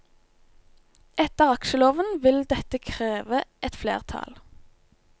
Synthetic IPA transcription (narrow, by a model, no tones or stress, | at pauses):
ʔɛt̪əʁɑkʃəloːʋənʋɪld̪ɛt̪əkʰʁeːʋəʔɛt̪flḛːʁt̪ʰɑ̰l